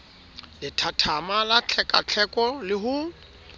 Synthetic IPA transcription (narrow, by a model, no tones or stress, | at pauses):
lɪtʰatʰamalat͡ɬʰɛkʼa̰t͡ɬʰɛkʼɔlɪɦʊ